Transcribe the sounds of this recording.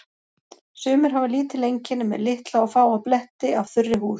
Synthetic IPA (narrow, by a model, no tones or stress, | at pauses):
sʏːmʏɾ̥ɦavɪliːt̪ɪlejɲcɪnʏmɛ̰ðlɪht̪laɔfaːwaplɛht̪ɪav̥θʏrːɪhuːs